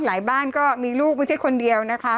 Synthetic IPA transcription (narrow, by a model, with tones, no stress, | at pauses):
laː˨˩˦jbaː˥˩nkɔː˥˩miː˧luː˥˩k̚ma˥˩t͡ɕʰa˥˩jkʰo˧ndi˧əwna˦˥kʰa˦˥